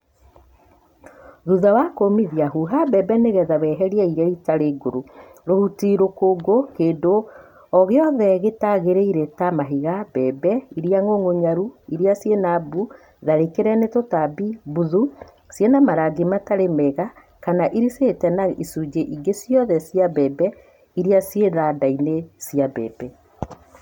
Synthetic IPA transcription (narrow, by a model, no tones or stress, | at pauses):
ðuðawakomiðjaɦuɦabɛbɛneɣɛðaβɛːɦɛɾiaiɾaitaɾeɡoɾo | ɾohutiɾokoːɡokeːdo | ɔɣeɔðɛɣetaɣeɾeiɾetamaɦiɣabɛbɛiɾiaŋoŋoɲaɾuiɾiasjenabu | ðaɾekeɾɛnetotabibuðu | sjenamaɾaɡemataɾemɛɣa | kanaʔiɾisetɛnaisud͡ʒeʔiɡesjɔðɛsijabɛbɛ | iɾiasjeðadainesijabɛ̰bɛ